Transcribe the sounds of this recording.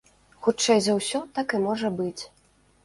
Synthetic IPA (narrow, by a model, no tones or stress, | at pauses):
xut͡ʂɛjzɐwsʲɔt̪akɨmɔʐɐbɨt͡sʲ